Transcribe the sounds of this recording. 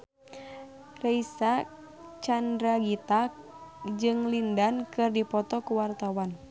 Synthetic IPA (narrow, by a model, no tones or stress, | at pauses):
raisa | t͡ʃandɾaɡit̪ak | d͡ʒɨŋlindankɨrdipɔt̪ɔkuwart̪awan